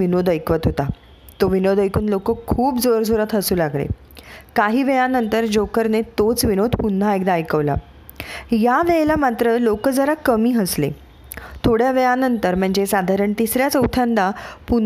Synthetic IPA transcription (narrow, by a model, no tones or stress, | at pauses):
inod̪əjkʋət̪ɦot̪a | t̪oʋinod̪əjkʰuːnlokəkʰuːpd͡zoɾd͡zʱoɾət̪ɦəsuːlaɡlḛ | kaɦiːʋɛjanənt̪əɾd͡ʑokəɾnet̪ot͡sʋinod̪ʱpun̤ːaekd̪aːjkəʋla̰ | jaʋeelamat̪ɾəlokəd͡zəɾakəmiːɦəslḛ | t̪ʰoɽjaʋejanənt̪əɾm̤əɳd͡zesad̪ʱaɾəɳt̪isɾjat͡səut̪ʰand̪apun